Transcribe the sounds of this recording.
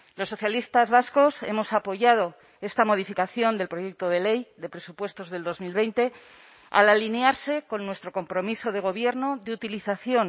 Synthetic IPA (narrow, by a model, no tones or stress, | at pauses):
lo̞sːo̞θjalist̪azβasko̞se̞̰mo̞sapo̞ʝað̞o̞ | e̞st̪amo̞ð̞ifikaθjo̞nd̪elpɾo̞jek̚t̪o̞ð̞e̞le̞jðe̞pɾe̞supwe̞st̪o̞zðeld̪o̞zmilβ̞e̞jnt̪e̞ | a̰lalineaɾse̞ko̞nːwe̞st̪ɾo̞ko̞mpɾo̞miso̞ð̞eɣ̞o̞β̞je̞ɾno̞ðeut̪iliθaθjo̞n